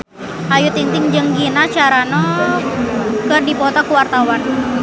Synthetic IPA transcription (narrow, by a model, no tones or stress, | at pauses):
ʔajʊt̪int̪ɪŋd͡ʒəŋɡinat͡ʃaɾanɔ | kərdipɔt̪akuwart̪awan